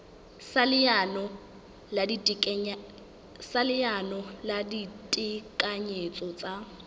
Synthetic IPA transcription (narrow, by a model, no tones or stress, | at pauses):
alɪanɔ | ladi | salɪanɔladitʼɪkʼaɲet͡sʼɔt͡sʼa